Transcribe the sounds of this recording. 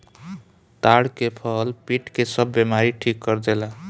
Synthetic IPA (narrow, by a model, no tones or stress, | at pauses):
t̪aɽkepʰʌlpiʈkesəbːemaɾiʈʰikːəɾdela